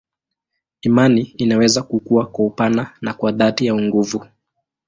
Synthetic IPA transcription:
imaniːnawɛzakukuakwaupananakwaðatijauŋɡuvu

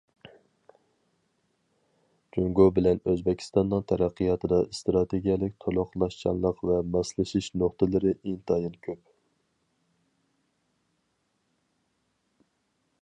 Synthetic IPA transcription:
d͡ʒyŋɡobɪlɛnøzbɛkʲʰi̥st̪ɑnːɨŋt̪ʰɛɾæqːijɑt̪ʰɨd̪ɑst̪ɾɑt̪ʰeɡʲijɛlˠɪkʲt̪ʰolˠʊqlˠɑʃt͡ʃʰɑ̰nlˠəqvɛmɑslˠɨʃiʃnoχt̪ɨlˠɨɾɨʔint̪ʰɑjinkʲʰøp̚

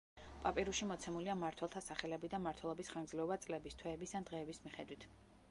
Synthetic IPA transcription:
pʼapʼiɾuʃimɔt̪sʰɛmuliamaɾt̪ʰwɛlˠt̪ʰasaχɛlɛbid̪amaɾt̪ʰwɛlˠɔbisχanɡd̪zlɛɔbat̪sʼlɛbist̪ʰwɛːbisand̪ʁɛːbismiχɛd̪wit̪ʰ

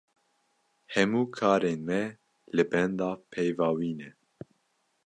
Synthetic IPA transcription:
hɛmuːkʰɑːɾeːnmɛ | lɨbɛnd̪ɑːpʰɛjvɑːwiːnɛ

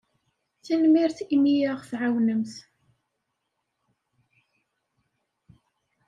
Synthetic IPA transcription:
θænmiɾθimijaʁθʕawnəmθ

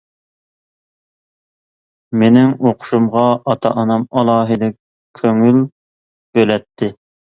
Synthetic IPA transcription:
menɪŋoqʰʊ̥ʃumʁɑʔɑt̪ʰɑ̰ʔɑnɑmɑlˠɑːɦɨd̪ɪk̚ʲ | kʲʰːøŋyl | b̥ølɛt̪ʰːɪ

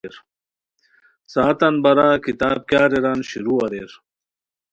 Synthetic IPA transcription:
ɾ | saːt̪ɐnbɐɾaːkit̪aːb̚kjaːɾeɾanɕiɾuːɐɾeɾ

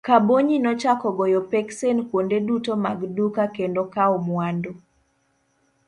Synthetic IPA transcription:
kaboɲinɔt͡ʃakɔɡɔjɔpɛksenkwondedutomaɡdukakendokaɔmwando

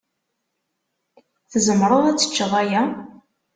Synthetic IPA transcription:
θəzəmɾˤoðˤæt͡sːə̥t͡ʃːəðˤæjæ

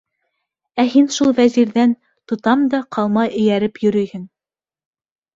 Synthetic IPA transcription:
æɦinʃulˠvæziɾðæn | t̪ŏt̪ɑmd̪ɑqʰɑlˠmɑjɘ̆jæɾɘpjɵ̆ɾɵ̆jhɘn

